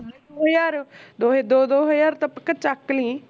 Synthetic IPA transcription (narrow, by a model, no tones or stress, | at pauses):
d̪oojaːɾd̪oːed̪oːd̪oːɦəjaːɾt̪əpəkət͡ʃaklĩː